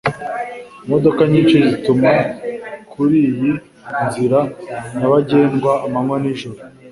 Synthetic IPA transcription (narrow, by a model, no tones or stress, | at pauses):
mo̞do̞kaɲiːnt͡ʃe̞zitumakuɾiːji | nziɾaɲaβaɟe̞ːŋɡwaːmamwaniʒoɾo